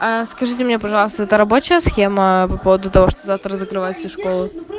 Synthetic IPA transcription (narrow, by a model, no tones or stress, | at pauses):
askɐʐɨtʲɪmnʲepɐʐɑlˠəst̪əɛt̪əɾɐbo̞t͡ɕɪjəsxʲeməpɐpo̞vəd̪ʊt̪ɐvo̞ʂt̪oaft̪əɾəzəkɾɨvajʊt̪fsʲuʂkolˠʊ